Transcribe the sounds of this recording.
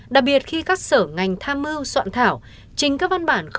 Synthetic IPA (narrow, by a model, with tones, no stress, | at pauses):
ɗa˨˩k̚ɓi˨˩ət̚xi˧kaː˦˥k̚səː˧˩ŋa˨˩jŋ̟t̪ʰaː˧mːɨ˧wswa̰ː˧˨nt̪ʰaː˧˩w | t͡ɕï˨˩ŋ̟kaː˨˦˥k̚va˧nɓaː˧˩nx